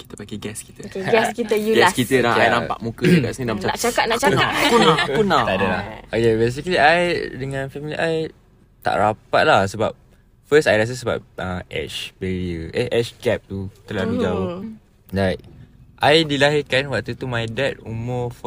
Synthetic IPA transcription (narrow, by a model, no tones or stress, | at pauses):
ki̥t̪əpaɡeɡɛski̥t̪əkɡɛskit̪əjuɡɛkit̪ədaajnapa̰ʔmũkəd͡ʒuɡa̰ʔsənĩdamat͡ʃanaʔt͡ʃakat̪̚naʔt͡ʃankunaunat̪aadalahojebes̬ikəliʔajdəŋãnfɛmilḭʔaj | t̪a̰ʔɾapat̪̚lahsəbap̚ | fəsajlas̬əs̬əba̰p̚əʔɛ̰t͡ʃbeɾiəʔeʔɛʃɡɛp̚t̪ut̪əlalud͡ʒau | dat̚ʔajdilaɦikanwaʔt̪ut̪umajdɛt̚umɔf